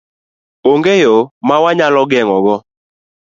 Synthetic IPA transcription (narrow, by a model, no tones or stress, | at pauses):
oŋɡejomawaɲalɔɡɛŋɔɡɔ